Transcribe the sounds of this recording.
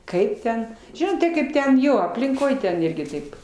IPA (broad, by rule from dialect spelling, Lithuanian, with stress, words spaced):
ˈkɐɪp tʲɛn ˈʒʲɪnoːt tɐɪ ˈkɐɪp tʲɛn ˈjoː ɐpʲlʲɪŋˈkoːj tʲɛn ˈɪrʲɡʲɪ ˈtɐɪp